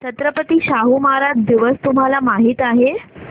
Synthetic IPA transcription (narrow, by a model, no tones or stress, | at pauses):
t͡ɕət̪ɾəpət̪iːɕaɦumaaɾad͡ʑd̪iʋəst̪umɦalamaɦiːt̪aɦe